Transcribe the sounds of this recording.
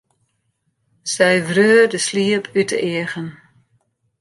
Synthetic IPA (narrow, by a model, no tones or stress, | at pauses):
sɛjvrøərdəsliəpʰytə̰ʔiəɣən